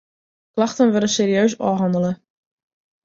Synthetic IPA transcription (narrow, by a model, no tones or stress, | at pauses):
klɑxtənʋødəseːɾiøːsɔːɦɑndələ